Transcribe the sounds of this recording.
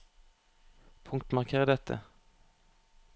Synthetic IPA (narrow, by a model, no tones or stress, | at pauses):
pʰʊŋkt̪mɑʁkʰeːʁəd̪ɛt̪ʰə̰